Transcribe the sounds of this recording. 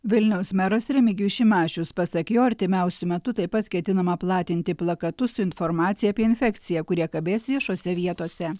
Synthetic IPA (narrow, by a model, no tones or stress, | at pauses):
ʋʲɪlʲnʲɛʊsmʲɛɾɐsɾʲɛmʲɪɡʲuːʃʲɪmɑːt͡ʃʲʊspɐsɐkʲejoɐɾʲt̪ʲɪmʲɛˑʊsʲʊmʲɛt̪ʊt̪ɐɪpɐt̪kʲɛt̪ʲɪnɐmɐplˠɑːt̪ʲɪnʲt̪ʲɪplˠɐkɐt̪ʊsʊɪnfɔɾmɑːt̪sʲɪjɛːpʲiɛɪnʲfʲɛkt̪sʲɪjɛkʊɾʲiɛkɐbʲeːsʋʲiɛʃoːsʲɛʋʲiɛt̪oːsʲɛ